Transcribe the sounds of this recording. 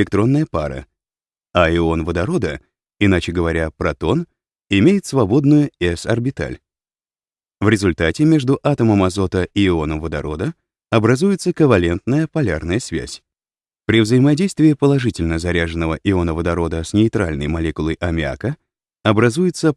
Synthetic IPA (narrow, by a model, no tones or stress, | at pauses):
lʲɪk̚t̪ɾo̞nːəjəpa̰ɾə̰ | aɪo̞nvəd̪ɐɾo̞d̪ə | ɪnat͡ɕɪɡəvɐɾʲapɾɐt̪o̞n | ɪmʲejɪt̪svɐbo̞d̪nʊjʊɛsɐrbʲɪt̪a̰lʲ | vɾʲɪzʊlʲt̪atʲɪmʲe̞ʐd̪ʊʔat̪əməmɐzo̞t̪əiɪo̞nəmvəd̪ɐɾo̞d̪ə | ɐbɾɐzujɪt̪səkəvɐlʲe̞nt̪nəjəpɐlʲarnəjəsvʲæ̰sʲ | pɾʲɪvzəjɪmɐdʲejst̪vʲɪːpəlˠɐʐɨtʲɪlʲnəzɐɾʲaʐɨnəvəʔɪonəvəd̪ɐɾo̞d̪əsnʲɪɪt̪ɾalʲnəjmɐlʲekʊlˠəjʔɐmʲɪa̰kə | ɐbɾɐzujɪt̪sə